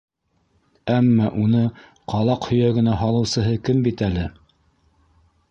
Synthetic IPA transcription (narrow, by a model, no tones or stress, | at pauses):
æmːɑʔunɤ | qɑlˠɑqhɵ̆jæɡɘ̆næɦɑlˠɤ̆wsɤ̆ɦɤkɘmbit̪ælɘ